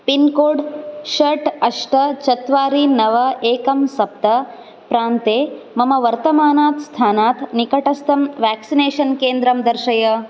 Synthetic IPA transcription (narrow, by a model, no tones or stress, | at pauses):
pinkoːɖʃɐʈɐʂʈɐt͡ʃɐt̪ʋaːɾinɐʋɐʔeːkɐmsɐp̚t̪ɐ | pɾaːnt̪eː | mɐmɐʋɐɾt̪ɐmaːnaːt̪st̪ʰaːnaːt̪nikɐʈɐst̪ɐmʋæːksineːʃɐnkeːnd̪ɾɐmd̪ɐɾʃɐjɐ